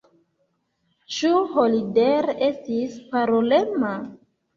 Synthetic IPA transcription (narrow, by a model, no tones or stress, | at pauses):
t͡ʃuholideɾe̞stispaɾolema